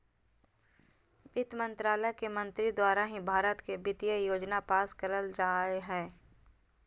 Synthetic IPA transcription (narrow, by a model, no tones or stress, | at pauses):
ʋɪt̪mə̃nt̪ɾaːləkemɐ̃nt̪ɾid̪waːɾaɦĩbʱaːɾət̪kebɪt̪ijəjoːd͡ʒnapaːskəɾəld͡ʒaːeɦɛː